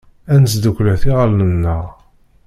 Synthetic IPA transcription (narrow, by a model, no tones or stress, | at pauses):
ænsd̪ukʷlæθiʁəlnənːə̰ʁ